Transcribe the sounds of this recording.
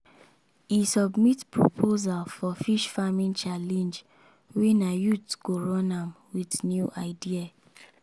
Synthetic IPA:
isɔbmitpɹo̰pʰozalfɔfiʃfamĩnt͡ʃalɛ̃nd͡ʒ | wenajutɡ̥oɹɔ̃nãmwidnjuʔaɪdia

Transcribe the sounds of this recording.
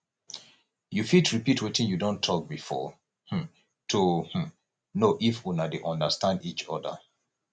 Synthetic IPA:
jufitɹipitwetĩnjudõntʰɔk̚bifɔ̰ | h̩ | tʰuh̩ | noʔifunadeʔɔ̃ndəstãndit͡ʃɔ̰də̰

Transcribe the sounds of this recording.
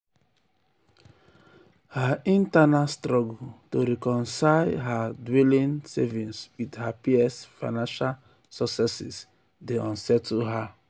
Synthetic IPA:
haĩntanastɾɔɡutoɾɛkɔ̃nsaɪɦadwɛlĩnsɛ̰vĩnswidhapiɛsfaɪnãnʃal | sɔksɛsḭs | deɔ̃nsɛtʰuɦa

